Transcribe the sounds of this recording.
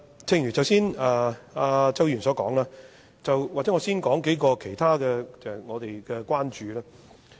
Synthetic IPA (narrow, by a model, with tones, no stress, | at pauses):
t͡sʰɪ˥˧ŋjy˨˩t͡sɐ˨˧wsiː˥naː˧aː˧t͡sɐ˥wjyː˨˩nsɔː˨˥kɔ̰ː˨˥ŋlaː˥ | t͡sɐ˨wwaː˨k̚t͡sɛ˨˥ŋːɔː˨˧˥siː˥nkɔː˨˥ŋke˨˥jkɔː˧kʰe˨˩jt̪ʰaː˥kɛː˧ɛ˨ŋɔː˨˧t̪e˨jkɛː˧kʷwaː˥nt͡ʃyː˨˧laː˥